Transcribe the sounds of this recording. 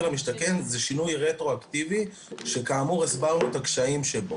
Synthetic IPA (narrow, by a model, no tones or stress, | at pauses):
ʁamiʃt̪ake̞nzeʃinujʁet̪ʁo̞akt̪ivi | ʃe̞kaːmuʁesbaʁnut̪akʃaimʃebo